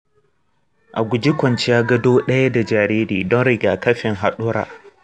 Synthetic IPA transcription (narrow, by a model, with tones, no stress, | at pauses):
ʔa˨ɡʷʊ˨d͡ʒɪ˦kʷɔ˨nt͡ʃɪ˦ja˦ɡɐ˦doː˦ɗɐ˦ja˦da˨d͡ʒaː˨ɾeː˦ɾiː˨dɔ˦nɾɪ˦˨ɡaː˨kɐ˦ɸɪ˨ŋɦa˨ɗʊ˦ɾa̰ː˨